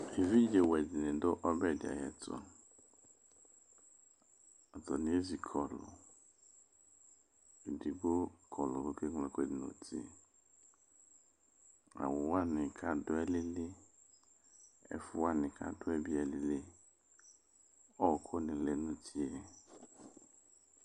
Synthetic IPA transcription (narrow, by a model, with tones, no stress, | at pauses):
e˨vi˦d͡ʒe˨wɛ˨di˨nɪ̃˨dʊ˦ʔɔ˦bɛ˦˨da̰˨jɛ̰˨tʰɔ̰˨ | ɔ˨tɔ˨nɪ̃˦e˦zi˨kʰɔ˨lʊ̰˨ | i˨di˨ɡ͡bo˦kʰɔ˨lʊ˨wo˦ke˦ŋlɛ˨ke˦˨dɪ˨nõ̰˨tʰḭ˨ | a̰˨wʊ˨wa˦nɪ̃˨kʰa˨˦dʊ˦ɛ˦lɪ˦lɪ˦ | ɛ̰˨fʊ˦wa˦nɪ̃˨kʰa̰˦dʊ˦ɛ˦bi˨ɛ˨li˨lɪ˦ | ɔ˦˨kʰʊ˦nɪ̃˨lɛ˨nʊ̃˦tʰi˦ɛ˦